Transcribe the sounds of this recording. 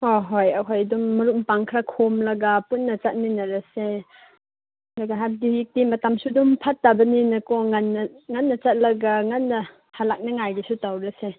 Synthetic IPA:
hoɦojɐkʰojdumːɐɾumpaŋkʰɾakʰomlɐɡɐpunːɐt͡ʃɐt̚ninɐɾɐse | duɡɐɦab̚dijik̚timɐtɐmsudumpʰɐtːabɐninɐkoŋɐnːɐŋɐnːɐt͡ʃɐt̚lɐɡɐŋɐnːɐ | halak̚nɐŋajɡisutawɾɐse

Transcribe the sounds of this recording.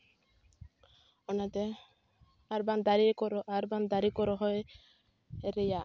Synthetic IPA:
ɔnat̪e | aɾband̪aɾikɔɾɔʔaɾband̪aɾikɔɾɔɦɔe | eɾeja

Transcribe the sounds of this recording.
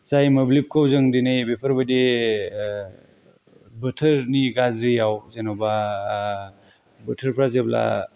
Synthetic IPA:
zajmɐblip̚kʰawzɯŋdinɯjbepʰəɾbade | bɯtʰəɾniɡazɾijawzenawba | bətʰəɾpʰɾazebla̰

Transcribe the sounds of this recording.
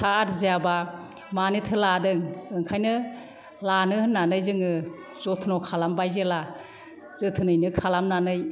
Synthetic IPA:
sʰaaɾzejaba | manɯtʰɯladɯŋɯŋkʰajnɯ | lanɯhɯnːanɯjzɯŋɯ | zɔtʰnɔkʰalambajzela | zɯtʰɯnɯjnɯkʰalamnanɯj

